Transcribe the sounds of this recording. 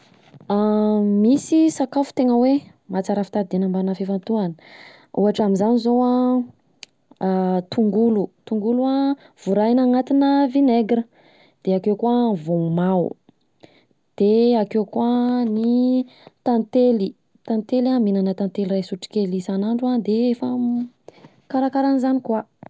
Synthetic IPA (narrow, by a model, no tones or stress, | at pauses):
amisisakafu̥t̪eŋəwe | mat͡saɾafit̪ad̪enambanafifant̪uanə̥ | uɦaʈ͡ʂaminzanizoa | t̪uŋɡulut̪uŋɡulua | v̥uɾajnaŋat̪inəvineɡɾə | d̪̥eakewkwavomaw | d̪̥eakewkwani | t̪ant̪eli | t̪ant̪elaminanət̪ant̪elirajsuʈ͡ʂi̥kʲelisanaɳɖ͡ʐuad̪eefa | kaɾakaɾanizanikwa